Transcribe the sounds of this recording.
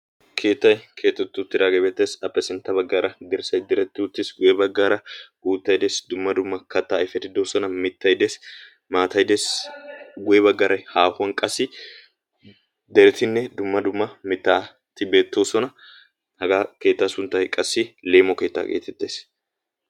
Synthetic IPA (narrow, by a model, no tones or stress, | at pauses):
kʰe̞ːt̪ːɐjkʰe̞ːt̪ːɛt̪ːʊt̪ːɪɾaːɡɛbeːt̪ːeːsɐpːɛsɪnt̪ːɐbɐɡːaːɾɐd̪ɪɾsɐjd̪ɛɾɛt̪ːɪʊt̪ːɪsɡʊjɛbɐɡːaːɾɐɡuːt̪ːɐjd̪eːsd̪ʊmːɐd̪ʊmːɐkɐt̪ːaːɪfɛt̪ːɪd̪oːsɔnɐmɪt̪ːɐjd̪eːs | maːt̪ɐjd̪es | ɡʊɛbɐɡːɐɾʔɐjhaːhʊɐnkʼɐsɪ | d̪ɛɾɛt̪ːɪnːɛd̪ʊmːɐd̪ʊmːɐmɪt̪ːaː | t̪ːɪbe̞ːt̪ːo̞ːsɔnɐ | hɐɡake̞ːt̪ːasʊnt̪ːɐjkʼɐsːɪle̞ːmɔke̞ːt̪ːa̰ɡḛːt̪ːɛt̪ːeːs